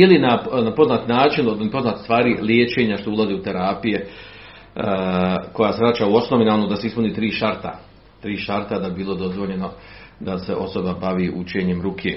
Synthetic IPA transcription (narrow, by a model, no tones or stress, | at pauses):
ilinanapo̞znaːt̪naːt͡ʃinod̪lipo̞znaːt̪e̥st̪ʋaːɾiljeːt͡ʃe̞ːɲaʃt̪oulˠaziut̪e̞ɾaːpije | ko̞jaːseɾat͡ʃauo̞snoʋinaonod̪ase̞ispuniːt̪ɾiːʃaɾt̪a̰ | t̪ɾiːʃaɾt̪ad̪abibiːlˠo̞d̪o̞zʋo̞ʎe̞no̞d̪ase̞ʔo̞so̞babaʋiʔṵt͡ʃe̞ːɲe̞mɾukʰḛ